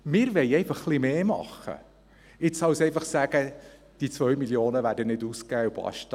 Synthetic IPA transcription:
mɪːɾʋɛɪɛɪfɑχːlimeːmɑ̰χə̰ | ɪt͡ssɑwsɛɪfɑχsæɡ̥ə | d̥it͡sʋœɥmiljoːnəʋæːɾdənɪduːskæːub̥ɑ̰ʃt

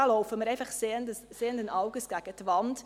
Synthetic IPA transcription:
ɑlɔʊfəməɾɛɪfɑχseəndəsseːəndənʔɑʊɡəsɡ̥æɡ̥ətʋɑnt

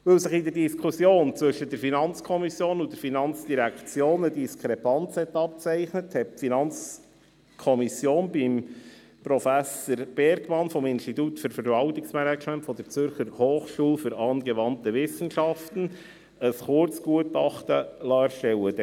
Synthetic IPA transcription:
ʋɪlsɪχidəɾdiskʰusjoːnt͡sʋʏʃəd̥ɛɾfinɑnt͡skʰɔmisjoːnʊn̚dɛɾfinɑnt͡sd̥iɾækt͡sjoːnədiskʰɾɛpɑnt͡shɛt̪ːɑp̚t͡sæɪχnəthɛt̚finɑnt͡s | kʰɔmisjoːnbim | pɾɔfæsəɾb̥ɛɾɡmɑnfɔmɪnstitutfʏɾfəɾvɑltɪksmɛnɛt͡ʃmɛntfɔd̪əɾt͡sʏɾχəɾhoːχʃuːlfyɾɑːnɡɛʋɑntəʋɪsən̩ʃɑftən̩ | əsχʊɾt͡sɡ̥uətɑχtəlɑːɾʃtɛləd

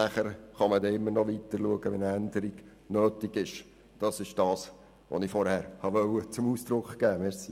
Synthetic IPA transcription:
næχəɾχɑmədɛɪmːəɾnɔʋitəɾluəɡəʋɛnænd̪əɾiɡ̥ | nøːtɪɡ̥ɪʃ | d̥ɑsɪʃd̥ɑːs | ʋo̰nɪfɔɾhæːɾhɑʋœwət͡sʊmuːsd̥̪ɾʊkχkæːmɛɾsi

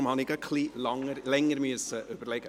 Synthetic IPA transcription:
mhɑnɪɡəkχliːlɑŋəɾlɛŋːəɾmyəsəʔøb̥ərlɛɡ̥ə

